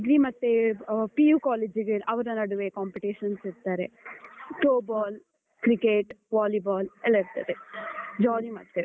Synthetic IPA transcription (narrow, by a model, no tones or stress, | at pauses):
ɡɾimɐt̪ːepijuːkaːleːd͡ʒiɡeʔɐʋɐɾɐnɐɽuʋekaːmpiʈiːʃɐnsiɾt̪aːɾeʈoːbaːl | kɾikeːʈʋaːlibaːlɛlːɐiɾt̪a̰ːt̪ed͡ʒaːɾimɐt̪ːe